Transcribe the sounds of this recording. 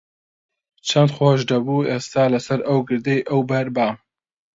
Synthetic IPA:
t͡ʃʰɐnd̪xoʃd̪ɐbuːest̪aːlɐsɐɾɐwɡɨɾd̪ejʔəwbɐɾbaːm

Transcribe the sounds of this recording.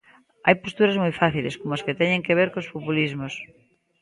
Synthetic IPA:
a̰jpost̪uɾazmujfaθileskomoasket̪eɲẽŋkeβ̞eɾkospopulizmos

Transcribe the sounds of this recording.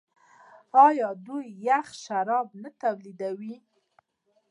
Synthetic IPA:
ɑjɑd̪ujːaxʃaɾɑbnat̪awlid̪awi

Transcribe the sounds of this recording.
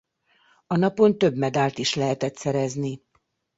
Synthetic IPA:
ɒnɒpo̞nt̪ø̞bmɛd̪aːlt̪iʃlɛɦɛt̪ɛt̪sɛɾɛzni

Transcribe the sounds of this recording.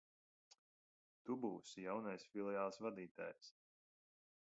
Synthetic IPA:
t̪ubuːsjawnajsfilˠɛaːlˠsvad̪iːt̪a̰ːjs

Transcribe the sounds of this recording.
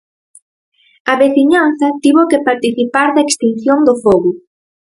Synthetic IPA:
ɐβeθiɲanθɐt̪iβokepaɾt̪iθipaɾðɐekst̪in̟θjond̪ofoɣʊ

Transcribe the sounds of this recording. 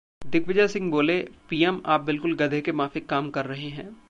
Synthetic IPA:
d̪ɪkʋɪd͡ʒasɪ̃ŋɡboːlepiːɛma̰ːp̚bɪlkʊlɡɐd̪ʱekemaːfekaːmkɐɾːɐɦeɦɛ̰̃ː

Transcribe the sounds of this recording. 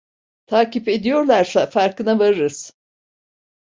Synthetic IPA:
t̪ʰaːcipe̞d̪ijo̞ɾlˠaɾsafaɾkɯnavaɾɯɾɯz̥

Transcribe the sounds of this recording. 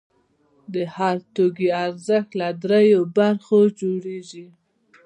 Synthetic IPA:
d̪əhaɾt̪oɡiaɾzəxt̪lad̪ɾejobaɾxod͡ʒoɽeʒi

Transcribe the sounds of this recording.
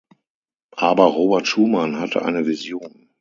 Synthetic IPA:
ʔaːbɐʁoːbɛɐtʃuːmanhatʰə̰ʔa̰ɪnəvizjoːn

